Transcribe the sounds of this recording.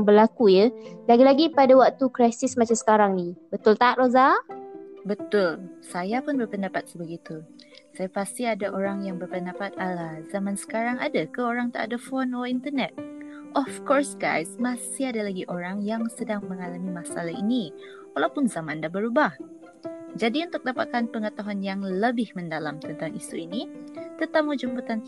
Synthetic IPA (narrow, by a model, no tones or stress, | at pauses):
ŋbəlakujəlaɡilaɡipadawak̚t̪ukɾajsismat͡ʃamsə̥kaɾaŋnibət̪ʊlt̪aat̪̚roza | bət̪ʊlsajapʊnbərpəndapat̪̚səbaɡit̪u | sajapast̪iadaʔoɾaŋjaŋbərpəndapat̪̚alahzamãnsə̥kaɾaŋadakəoɾaŋt̪aʔa̰dəfɔnɔfint̪ənɛt̪̚ | ʔɔfkɔrsɡa̰jsmãsiadalaɡiʔoɾaŋjaŋsədaŋmə̃ŋalamimasalaḭni | walawpʊnzamãndahbəɾubah | d͡ʒadiunt̪ʊk̚dapat̪̚kanpəŋət̪aɦuanjaŋləbɪhmə̃ndalamt̪ənt̪aŋisṵinit̪ət̪amud͡ʒəmbut̪an